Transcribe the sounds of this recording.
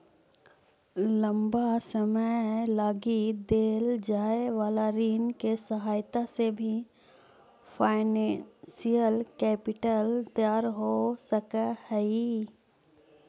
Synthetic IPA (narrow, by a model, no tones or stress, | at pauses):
lɐ̃mbasəməlaːɡid̪eːld͡ʒaːeʋaːlaɾiːnkesɐɦaːjt̪asebʱi | fʰaːɪnɛnsijəlkɛːpɪʈəlt̪jaːɾɦosəkəhəi